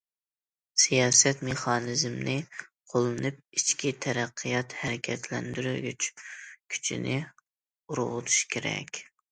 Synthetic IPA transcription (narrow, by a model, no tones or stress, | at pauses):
sijɑːsɛt̪meχɑːnɨzmnɪqʰolˠɨnɨp̚it͡ʃkʲit̪ʰɛɾæqʰːɨjɑt̪hæɾɪkʲʰɛt̪ʰlɛnd̪yɾyɡʲyt͡ʃkʲʰy̥t͡ʃʰḭnɪ | uɾʁʊt̪ʰu̥ʃkʲʰeɾɛ̰kʲ